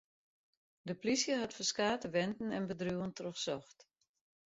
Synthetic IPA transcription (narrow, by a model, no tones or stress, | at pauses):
dəplisjəɦatfərskaːtəʋɛntn̩ɛnbədruːəntroxsɔxt